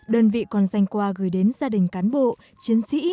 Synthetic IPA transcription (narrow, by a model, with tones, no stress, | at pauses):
ɗəː˧nvḭ˧˨kɔ˨˩nza˧jŋkwaː˧ɣɨː˧˩jɗe˨˦nzaː˧ɗï˨˩ŋ̟kaː˨˦nɓo̰˧˨ | t͡ɕi˨˦ənsḭ˧˥